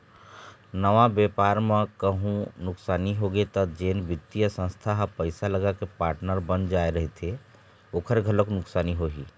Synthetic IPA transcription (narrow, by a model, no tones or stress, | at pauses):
nəʋabjepaːɾmẽkəɦũnʊksaːniɦoɡet̪ɔd͡ʒeːnbɪt̪ːijəsə̃nst̪ʰaɦpəɪsaləɡakepaːɾʈnəɾbənd͡ʒaːeɾəɦet̪ʰe | oːkʰəɾɡʱələknʊksaːniɦoɦiː